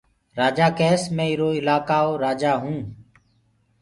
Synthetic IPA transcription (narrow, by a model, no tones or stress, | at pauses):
ɾaːd͡ʒaːkeːsmẽːɪɾoːɪlaːkaːoːɾaːd͡ʒaːɦũː